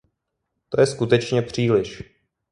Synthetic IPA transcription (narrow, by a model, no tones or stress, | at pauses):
t̪o̞jɛskut̪ɛt͡ʃɲɛpr̝̥iːlɪʃ